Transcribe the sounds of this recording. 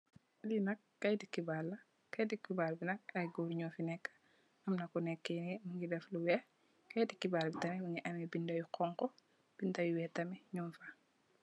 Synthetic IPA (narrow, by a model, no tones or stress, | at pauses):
dinɐkːɐjdikːibalːɐ | kɐjdikːibaːlbinɐk̚ɐɡoːɾɲɔːfinɛkːḁ | ɐmnɐkɔnɛkːenemuŋɡidɛfluwɛ | kɐjdikːibaːlbitɐmɛmuŋiʔɐmibindɐjukɔŋkɔ | b̥indɐjuwɛtɐmiɲɔmfa